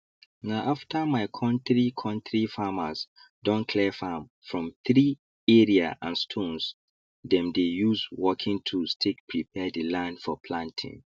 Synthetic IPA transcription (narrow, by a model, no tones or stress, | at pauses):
naʔaftʰamaɪkʰɔ̃ntɹikʰɔ̃ntɹifamas | dɔ̃nkʰlɛfam | fɹɔ̃mθɹi | ɛɹiaʔã̰nstʰõns | dɛ̃mdejuswɔkʰĩŋtʰustʰek̚pʰɹipʰɛdilãndfɔpʰlãntʰɪ̰̃ŋ